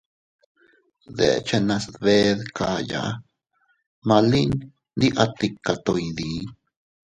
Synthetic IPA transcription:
ðḛ˨t͡ʃe˧nã˧sβe˧ðka˧ja̰˨˦ | mã˧li˦n | nd̪i˦ʔa˧t̪i˧kːa˨t̪o˨jði˨˦

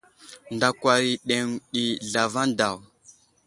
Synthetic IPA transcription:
nda˨kʷwa˨ɾi˨ɗe˨ŋɗi˨ɮa˨va˦nda˨w

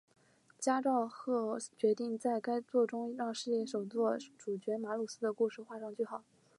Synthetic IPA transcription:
t͡ɕja˥ʈ͡ʂɑ˥˧ʊxɤ˥˩t͡ɕɥɛ˧˥t̪i˥˧ŋt͡sa˥˩ɪka˥ɪt͡swɔ˥˩ʈ͡ʂʊ˥ŋɻɑ˥˧ŋʂɻ̩˥˧jɛ˥˩ʂo˨˩ʊt͡swɔ˥˩ʈ͡ʂu˨˩t͡ɕɥɛ˧˥ma˧˥lu˥˩sɹ̩˥d̪ə˨ku˥˧ʂɻ̩˥˧xwa˥˧ʂɑ˥˧ŋt͡ɕy˥˩xɑ˨˩˦

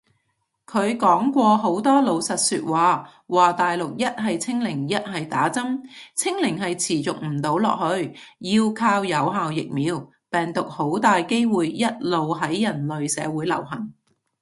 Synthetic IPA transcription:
kʰɵ˨˧ɥkɔː˨˥ŋkʷɔː˧ɦo˨˥wt̪ɔː˥lo˨˧wsɐ˨t̚syː˧t̚waː˨˧ | waː˨t̪aː˨jlʊ˨k̚jɐ˥t̚ɦɐ˨jt͡sʰɪ˥ŋlɪ˨˩ŋjɐ˥t̚ɦɐ˨jt̪aː˨˥t͡sɐ˥mt͡sʰɪ˥ŋlɪ˨˩ŋɦɐ˨jt͡sʰiː˨˩t͡sʊ˨k̚m̩˨˩t̪o˨˥wlɔ̰ː˨k̚hɵ˧ɥjiː˧wkʰaː˧wjɐ˨˧wɦaː˨wjɪ˨k̚miː˨˧w | pɛː˨˩ŋt̪ʊ˨k̚ho˨˥wt̪aː˨jke˥jwuː˨jːɐ˥t̚lo˨wɦɐ˨˥jːɐ˨˩nlɵ˨ɥsɛ̰ː˨˧wuː˨˥jlɐ̰˨˩wɦɐ˨˩ŋ

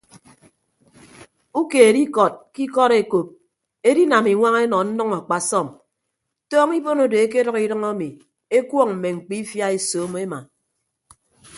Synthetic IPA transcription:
u˦ke˨e˨di˦kɔ˨t̚ki˦kɔ˦ɾe˨ko˨p̚ | e˦di˦na˨mi˨ŋʷa˦ŋe˦nɔ˨n̩˦nɔ˦ŋa˨k͡pa˨sɔ˦˨m | tɔː˦ŋi˦bo˦no˨de˨e˦k̬e˦dʌ˦ki˦dʌ˦ŋa˦mi˨ | e˦kwɔ˦ŋm̩˨me˨ŋ͡m̩˨k͡pi˦fja˦e˨soː˨˦m˦e˦ma˨

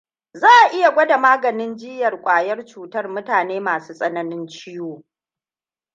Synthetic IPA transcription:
zaː˦ʔa˨ʔɪ˦ja˨ɡʷɐ˦da˨maː˦ɡɐ˨nɪ˦nd͡ʒɪ˦jɐ˨rkʷʼaː˨jɐ˦rt͡ʃuː˨tɐ˦rmʊ˦taː˨neː˦maː˨suː˦sʼɐ˦nɐ˦nɪ˦nt͡ʃɪ˦joː˦

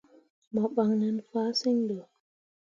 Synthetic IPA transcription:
mɔ˨ɓa˧˨ŋnə˧˦nfaː˨˦si˦ŋɗə˨

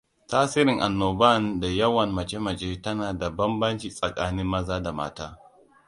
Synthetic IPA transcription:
taː˦sɪ˦ɾɪ˨ŋʔa˨nːoː˨ba˦˨nda˨jɐ˦wɐ˨nmɐ˨t͡ʃe˦mɐ˨t͡ʃeː˦tɐ˦naː˨da˨bɐ˦mbɐ˦nt͡ʃiː˨sʼɐ˨kʼaː˦nɪ˦mːɐ˦zaː˦da˨ma̰ː˦taː˦

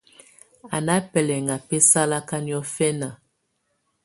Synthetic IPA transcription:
a˨na˦pɛ˨lɛ˨ŋa˨pe˦sa˦la˦ka˦ni˦ɔ˦fɛ˦na˨

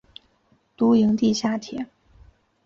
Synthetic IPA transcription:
t̪u˧˥i˧˥ŋt̪i˥˧ɕja˥˩t̪ʰjɛ˧˥˦n

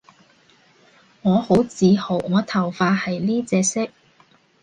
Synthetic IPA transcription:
ŋɔː˨˧ho˨˥wt͡siː˨˧ho˨˩wŋɔː˨˧t̪ʰɐ˨˩wfaː˧hɐ˨jliː˥t͡sɛː˧sɪ˥k̚

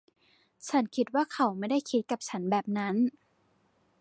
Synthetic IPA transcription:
t͡ɕʰa˦˥nkʰi˦˥t̪̚waː˥˩kʰa˧˦wma˥˩jda˥˩jkʰi˦˥t̪̚ka˨˩p̚t͡ɕʰa˦˥nbɛː˨˩p̚na˦˥n

